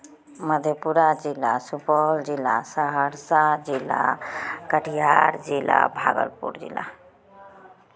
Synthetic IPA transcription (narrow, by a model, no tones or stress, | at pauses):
məd̪ʱjepuɾad͡ʒilːasupɔld͡ʒilːasəɦəɾsad͡ʒila̰kəʈʰijaɾd͡ʒila̰bʱa̰ɡə̰lpṵɾd͡ʒḭla